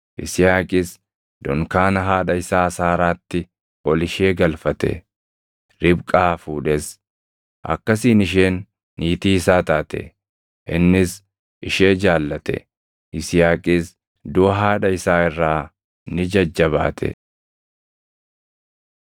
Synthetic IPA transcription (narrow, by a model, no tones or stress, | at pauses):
ʔɪ̰sɪjaːkʼɪs | d̪̥ɔŋkaːnɐɦaːᶑɐɪsaːsaːɾaːt̪ːɪ | wɔlɪʃeːɡɐlfɐt̪ɛ̰ | ɾɪbkʼaːfuːᶑɛs | ʔɐ̰kːɐs̬iːnɪʃeːnː | iːt̪iːsaːt̪aːt̪ɛ̰ | ʔɪnːɪs | ɪʃe̞ːd͡ʒaːlːɐt̪ɛ̰ | ʔɪsɪjaːkʼɪs | d̪ʊɐɦaːᶑɐɪsaːɪrːaː | nɪd͡ʒɐd͡ʒːɐβa̰ːt̪ʰɛ̰